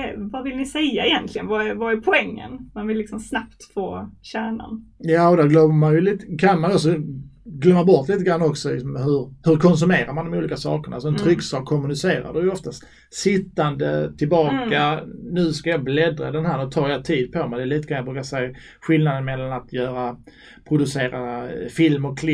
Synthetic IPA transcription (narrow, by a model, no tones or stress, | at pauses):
vavɪlnɪsɛjːaɛjɛnt̪ʰlɪɡənvavaæɾpʰɔɛŋːə̰nmanvɪlːɪksɔmsnapt̪foːɕæːɳa̰njɑːɔd̪æɾɡlœmːəmanjɵliːt̪kʰanmanjɔks̬ɔɡlœmːaɾbɔɾt̪liːt̪əɡɾanːɔksɔlɪ̰ksɔmɦɵɾhɵɾkʰɔns̬ɵmeːɾaɾmand̪ɔmuːliːkasɑ̰ːkəɳalsɔɛnt̪ʰɾʏksɑːkʰːɔmɵnɪseːɾa̰dɛjɵɔft̪ast̪ | sɪt̪ːand̪ət̪ʰɪlbɑːanʉ̟skajɑblɛd̪ɾa̰d̪ɛnɦæːɾnɵt̪ʰɑːɾjat̪ʰiːd̪̚pʰɔmɛɪd̪ɛliːt̪əɡʰanjabɾʉ̟ːkasɛja | ɧɪlnad̪ənmɛlːanat̪jœːɾa | pʰɾʊd̪ɵseːɾafɪlmɔkʰːlɪ